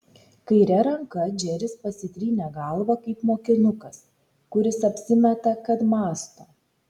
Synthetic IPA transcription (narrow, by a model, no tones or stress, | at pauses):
kɐɪɾʲɛɾɐŋkɐd͡ʒʲɛɾʲɪspɐsʲɪt̪ʲɾʲiːnʲɛɡɐˑlˠʋɐkɐɪpmoːkʲɪnʊkɐs | kʊɾʲɪsɐpʲsʲɪmʲɛt̪ɐkɐt̪mɑːst̪oː